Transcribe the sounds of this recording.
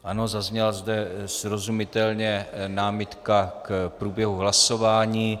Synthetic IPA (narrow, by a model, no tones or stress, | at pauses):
ʔano̞zazɲɛlazd̪ɛsɾo̞zumɪt̪ɛlɲɛnaːmɪt̪kakpɾuːbjɛɦuɦlaso̞vaːɲiː